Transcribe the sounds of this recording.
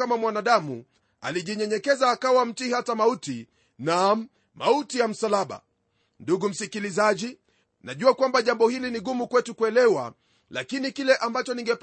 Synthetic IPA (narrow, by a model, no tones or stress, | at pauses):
amamwanaɗamṵ | a̰liʄiɲɛɲɛkɛzaːkawam̩tihatamauti | na | mautijam̩salaɓa̰ | nduɡum̩sikilizaʄi | naʄuakwambaʄambɔhiliniɠumukwɛtukuɛlɛwa̰ | lakinikilɛʔambat͡ʃɔniŋɡɛp